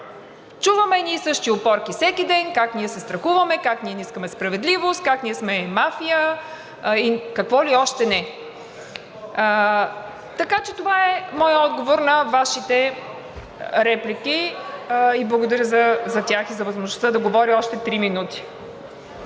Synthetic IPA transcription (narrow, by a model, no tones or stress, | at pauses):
t͡ʃuvəmɛnʲiɛsɤʃt̪iopɔɾkifsɛkid̪ɛnkakniɛsɛst̪ɾɐxuvɐmɛkakniɛniskəmɛspɾɐvɛd̪livost̪̚kakniɛsmɛmafijə | ikɐkvɔliɔʃt̪ɛnɛ | t̪ɐkat͡ʃɛt̪ovaɛmɔjəɔd̪ɡovoɾnɐvaʃit̪ɛ | ɾɛpliki | iblˠɐɡʊd̪ɐɾʲjəzɐzɐt̪ʲaxizɐvɐzmoʒnost̪əd̪ɐɡovɔɾiɔʃt̪ɛt̪ɾiminut̪i̥